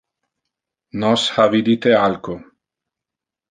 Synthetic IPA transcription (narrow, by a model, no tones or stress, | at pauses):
nɔshavid̪it̪ealko